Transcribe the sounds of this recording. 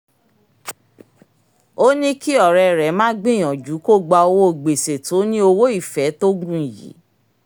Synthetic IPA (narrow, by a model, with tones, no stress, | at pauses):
o˦nĩ˦ki˦ɔ˦˨ɾɛ˨˧ɾɛ˨˦mãː˦ɡ͡bĩ˦˨j̃ɔ̃˨d͡ʒu˨˦ko˦˨ɡ͡ba˧o˧wo˦o˨ɡ͡be˨se˨to˨˦nĩ˦o˧wo˦i˦˨fɛ˨˦to˦ɡũ˦ĩ˨jḭ˨˦